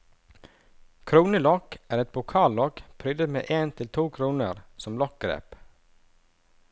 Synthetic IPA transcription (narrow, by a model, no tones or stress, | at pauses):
kʰɾuːnəlɔkæːɾɛt̪̚bʊkʰɑːllɔkpʰɾʏd̪əmḛːʔeːnt̪ʰɪlt̪ʰuːkʰɾuːnəɾsɔmlɔk̚ɡɾḛːp